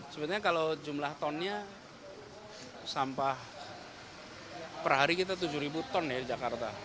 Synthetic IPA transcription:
səbət̪̚ɲakalod͡ʒumlaht̪ɔnɲa | sampah | pərɦaɾikit̪at̪̬ud͡ʒuɾibut̪ɔnːɛhdid͡ʒakart̪a

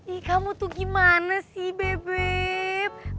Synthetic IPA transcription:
ɗikamut̪uɡimanasibebe

